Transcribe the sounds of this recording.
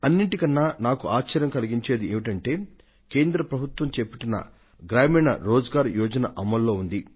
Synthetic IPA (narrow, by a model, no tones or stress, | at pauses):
ɐnːiɳʈikɐnːaːnaːkuʔaːt͡ʃt͡ʃɐɾjɐmkɐliɡiɲt͡ʃe̞ːd̪ieːʋiʈɐɳʈe̞ː | ke̞ːnd̪ɾɐpɾɐbʱut̪ʋɐmt͡ʃepiʈinːɐ̰ | ɡɾaːmiːɳɐ̰ɾoːd͡ʒɐɡaːɾujɔːd͡ʒɐnɐʔɐmːɐlːo̞ːund̪i